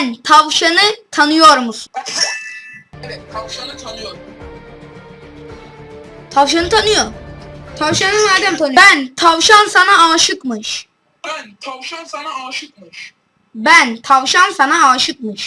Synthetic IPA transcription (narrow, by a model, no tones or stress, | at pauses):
nt̪ʰavʃanɯt̪ʰanɯjoɾmusun | ɛɛt̪ʰaʃnʰanɯjoɾ | t̪ʰavʃ̬anɯt̪ʰanɯjoɾt̪ʰavʃanɯnad̪ɛmt̪ʰanbænt̪ʰavʃansanaaːʃɯkmɯʃ | bænt̪ʰavʃansanaaʃɯk̚mɯʃ | bænt̪ʰavʃansanaaːʃɯk̚mɯʃ